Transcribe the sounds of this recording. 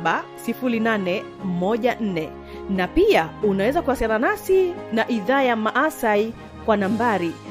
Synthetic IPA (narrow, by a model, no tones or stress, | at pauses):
ɓasifulinanɛ | mɔʄan̩nɛ | napiaunawɛzakuwasiananasinaʔiðaːjamaʔasai | kwanambaɾi